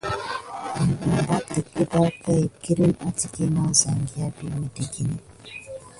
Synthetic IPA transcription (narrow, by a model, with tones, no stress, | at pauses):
m̩˨m˨ba˦ti˨ki˦ba˦kə˦e˨ki˦ɾi˦na˦ti˨ki˦na˦˨za˨ŋɡi˦a˦bi˦me˨de˨ɡi˦ni˨